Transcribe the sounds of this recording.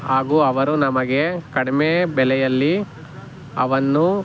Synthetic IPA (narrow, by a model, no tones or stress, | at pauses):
ɦaːɡuɐʋɐɾunɐmɐɡe̞kɐɽimebɛlɛjɐlːi | ɐʋɐnːu